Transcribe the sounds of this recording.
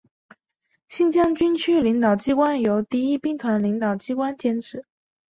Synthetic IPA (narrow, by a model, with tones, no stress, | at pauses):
ɕi˥˧nt͡ɕjɑ˥˩ŋt͡ɕy˥nt͡ɕʰy˥li˧˥ŋt̪ɑ˨˩ʊt͡ɕi˥kwa˥njo˧˥ʊt̪i˥˩i˥pi˥˩ŋt̪ʰwa˧˥nli˧˥ŋt̪ɑ˨˩ʊt͡ɕi˥kwa˥nt͡ɕjɛ˥nʈ͡ʂʰɻ̩˧˥˦